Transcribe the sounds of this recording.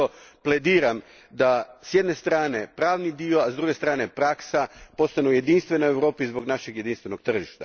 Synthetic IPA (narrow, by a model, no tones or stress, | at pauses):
opled̪iːɾam | d̪asjed̪ne̞st̪ɾaːne̞pɾaːʋnid̪io̞azd̪ɾuɡe̞st̪ɾaːne̞pɾaksapo̞st̪anuje̞d̪inst̪ʋe̞noeʋɾo̞ːpizbo̞ɡnaʃeɡje̞d̪inst̪ʋe̞no̞ɡ̚t̪r̩ʒiʃt̪a̰